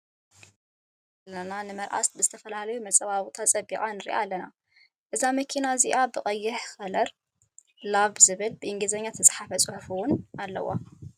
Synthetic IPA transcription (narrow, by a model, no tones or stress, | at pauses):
lːɐnanɨmɐɾʔa̰st̪̚bɨzɨt̪ʰɐfɐlalɐjumɐt͡sʼɐβaβut̪ʰat͡sʼɐbikʼanɨɾʔalːɐna | ʔɨzamɐkʰinaziʔabɨχʼɐjːɪħxɐlɐɾ | laβzɨβɨlbɨʔɨŋɡɨzɐɲːat̪ʰɐsʼħafɐt͡sʼɨħfuwʊnalːɐ̰wːa̰